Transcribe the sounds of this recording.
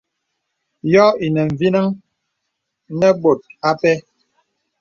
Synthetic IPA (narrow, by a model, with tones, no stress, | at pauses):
jɔ˦i˨nɛ˨ɱ˨vi˦na˦ŋ | nɛ˦bo˨t̚a˦pɛ˦